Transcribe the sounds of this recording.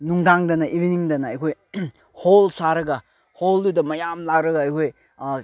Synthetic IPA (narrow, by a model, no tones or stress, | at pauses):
nuŋdaŋdɐnɐʔibiniŋdɐnɐɐjkʰoj | holsaɾɐɡɐ | holdudɐmɐjamlaɡɾɐɡɐːjkʰoj